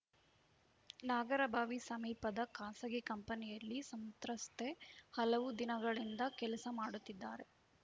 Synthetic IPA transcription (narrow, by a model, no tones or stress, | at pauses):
naːɡɐɾɐbʱaːʋisɐmiːpɐd̪ɐkaːsɐɡikɐmpɐnijɐlːisɐmt̪ɾɐst̪ʰehɐlɐʋud̪inɐɡɐɭind̪ɐkɛlɐsɐmaːɽut̪ːid̪ːaːɾe